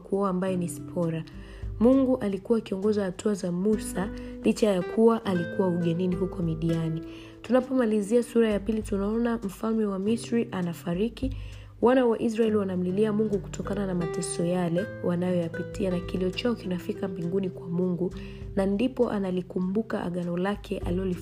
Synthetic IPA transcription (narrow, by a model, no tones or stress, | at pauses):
kuɔaːmbajɛnispʰɔɾa | muŋɡuʔalikuwakiɔŋɡɔzahatʰuazamusalit͡ʃajakʰuwaʔalikuwauɠɛniniɦukɔmiɗiani | tunapɔmaliziasuɾajapilitunaɔnam̩falmɛwamisɾiʔanafaɾiki | wanawaʔis̬ɾaɛliwanam̩liliamuŋɡuku̥tɔkananamatɛsɔjalɛwanajɔjapitianakiliɔt͡ʃaɔkinafikambiŋɡunikwamuŋɡu | nandipɔʔa̰nalikumbuka̰ʔa̰ɠanɔlakʰɛʔa̰liɔli